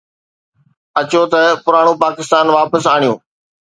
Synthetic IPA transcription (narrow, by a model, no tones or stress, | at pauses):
ɐt͡ɕot̪ɐpʊɾaːɽ̃ũpaːkɪst̪aːnʋaːpəsaːɳ̃ijṵ̃ː